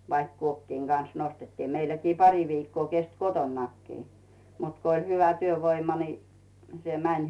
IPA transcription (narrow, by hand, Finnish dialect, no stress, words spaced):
ʋɑik kuokːiːŋ ɡ̊ɑns nostetːiː meilːækiː pɑri ʋiːkːoː kest kotonːɑkːiː mut ko ĭlʲ hyʋæ tyøʋoimɑ ni se mænʲ